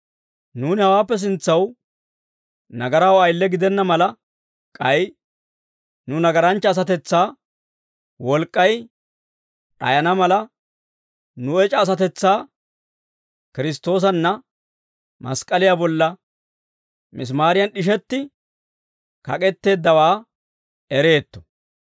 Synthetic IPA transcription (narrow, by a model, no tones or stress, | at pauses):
nuːnɪhɐwaːpːɛs̬ɪnt͡sːɐw | nɐɡɐɾɐwɐjlːɛɡɪd̪ɛnːɐmɐlɐ | kʼɐj | nʊnɐɡɐɾɐnt͡ʃːɐːs̬ɐt̪ɛt͡sːaː | wɔlkʼːɐj | ᶑɐ̰jɐnɐmɐlɐ | nʊɛt͡ʃʼɐːs̬ɐt̪ɛt͡sːaː | kɪɾɪst̪ːo̞ːs̬ɐnːɐ | mɐ̰skʼːɐlɪjabɔlːɐ | mɪs̬maːɾɪjɐnɗɪʃ̬ɛt̪ːɪ | kɐ̰kʼɛt̪ːe̞ːd̪ːɐwaː | ɛɾe̞ːt̪ːɔ̥